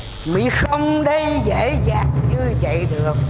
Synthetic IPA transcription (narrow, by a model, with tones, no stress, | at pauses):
mḭ˧˨xə˧wŋ͡mɗə˧jzḛ˧˥zaː˨˩ŋɨ˧t͡ɕḭ˧˨ɗɨ˨˩ək̚